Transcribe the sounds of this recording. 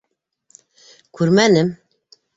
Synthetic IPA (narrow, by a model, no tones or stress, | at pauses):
kʰuɾmænɘm